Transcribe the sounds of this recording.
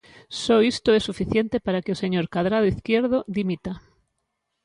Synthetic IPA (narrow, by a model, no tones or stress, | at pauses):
sɔist̪ʊɛsufiθjent̪epaɾakɪoseɲoɾkaðɾað̞ʊiθkjeɾðod̪imit̪a